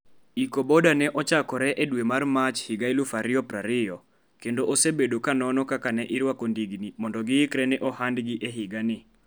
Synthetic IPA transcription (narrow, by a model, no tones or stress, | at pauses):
ikobɔdanɛʔɔt͡ʃakɔɾɛʔedwemarmat͡ʃhɪɡailʊfaɾɪɔpɾaɾɪjɔ | kendoʔosebedokanɔnɔkakanɛʔɪɾwakondiɡnimɔndɔɡɪɪkɾɛnɛʔɔhandɡɪʔɛɦɪɡanɪ